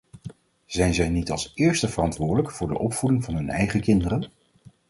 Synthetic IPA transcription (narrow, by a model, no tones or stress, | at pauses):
z̥ɛjnzɛjnitɑ̰lˠsɪːɹstəvərɑntʋʊːɹdələkfʊːɹdə̰ʔɔpfudɪŋvɑnɦɵnɛ̰jχəkɪndərən